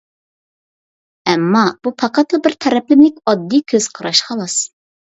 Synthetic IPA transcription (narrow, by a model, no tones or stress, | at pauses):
ɛmːɑb̥upʰɑqʰɑt̪lˠɨbɪɾt̪ʰɛɾɛplɪmlɪkʲɑd̪ːikʲʰøz̥qʰɑɾɑʃqʰɑlˠɑs